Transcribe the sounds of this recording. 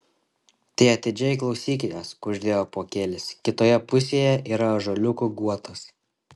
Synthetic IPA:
t̪ʲiɪɐt̪ʲɪd͡ʒʲɛjklˠɒʊsʲiːkʲejoːsʊʒʲd̪ʲeːjoːpoːkʲeːlʲɪskʲɪt̪oːjɛpʊsʲeːjɛʔiːɾɐʒolʲʊkuɡuɔt̪ɐs

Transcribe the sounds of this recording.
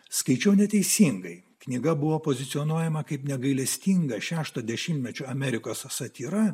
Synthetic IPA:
skɐɪt͡ʃʲɛʊnʲɛt̪ʲɛɪsʲiŋɡɐɪ | knʲɪɡɐbʊʋoːpoːzʲɪt̪sʲɪɔnuɔjɛmɐkɐɪpnʲɛɡɐɪlʲɛsʲt̪ʲiːŋɡɐʃʲæːʃt̪oːd̪ʲɛʃʲɪmʲt̪ʲmʲɛt͡ʃʲuɐmʲɛɾʲɪkoːssɐt̪ʲiːɾɐ

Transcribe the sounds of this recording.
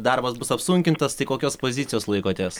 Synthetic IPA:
d̪ɐɾbɐsbʊsɐpsuŋʲkʲɪnt̪ɐst̪ɐɪkoːkʲoːspozʲɪt̪sʲɪjoːslˠɐɪkoːt̪ʲeːs

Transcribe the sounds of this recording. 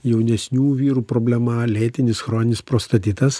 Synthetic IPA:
jɛʊnʲɛsʲnʲuːʋʲiːɾuːpɾoːbʲlʲɛmɐlʲeːt̪ʲɪnʲɪsxɾoːnʲɪnʲɪspɾoːst̪ɐt̪ʲiːt̪ɐs

